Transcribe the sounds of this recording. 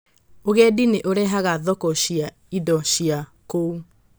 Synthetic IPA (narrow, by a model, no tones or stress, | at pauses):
oɣedineʔoɾɛɦaɣaðɔkɔɕia | idɔɕiakou